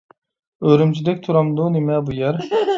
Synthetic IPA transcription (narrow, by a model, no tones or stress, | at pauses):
øɾymt͡ʃʰid̪ɛk̚ʲt̪ʰuɾɑmd̪unemɛbujɛɾ